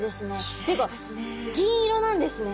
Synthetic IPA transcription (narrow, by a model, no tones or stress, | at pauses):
d̪e̞sɨne̞t̪eika | ɡʲĩɾo̞nãnd̪e̞sɨne